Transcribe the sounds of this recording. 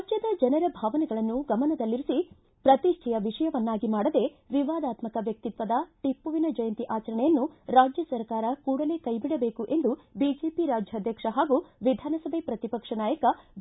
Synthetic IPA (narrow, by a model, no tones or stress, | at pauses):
ad͡ʒjɐd̪ɐd͡ʒɐnɐɾɐbʱaːʋɐnɛɡɐɭɐnːuɡɐmɐnɐd̪ɐlːiɾusi | pɾɐt̪iʂʈʰɛjɐʋiʂɐjɐʋɐnːaːɡimaːɽɐd̪e̞ | ʋiʋaːd̪aːt̪mɐkɐʋjɐk̚t̪it̪ʋɐd̪ɐʈipːuʋinɐd͡ʒɐjɐnt̪iʔaːt͡ʃɐɾɐɳɛjɐnːuɾaːd͡ʒjɐsɐɾkaːɾɐkuːɽɐle̞ːkɐjbiɽɐbe̞ːkuʔe̞nd̪ubid͡ʒe̞ːpiɾaːd͡ʒjɐɐd̪ʱjɐkʂɐɦaːɡuʋid̪ʱaːnɐsɐbʱepɾɐt̪ipɐkʂɐnaːjɐkɐ